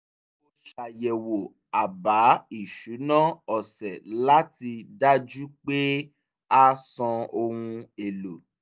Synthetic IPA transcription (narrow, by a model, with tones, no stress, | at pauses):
o˧ʃa˨jɛ˨wo˨ | a˨ba˨˦i˦˨ʃu˨˦nãː˦ɔ˨sɛ˨la˦ti˧da˦d͡ʒu˦k͡pe˦ | a˦sɔ̃˧o˧hũ˧e˨lo˨